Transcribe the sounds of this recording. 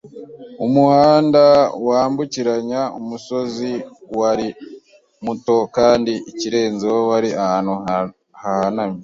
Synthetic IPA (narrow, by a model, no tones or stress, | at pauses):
umuhaːndawaːmbuciɾaɲaumuso̞ziwaɾi | muto̞kaːndiiciɾe̞ːnzewowaɾiaanhu | hahanami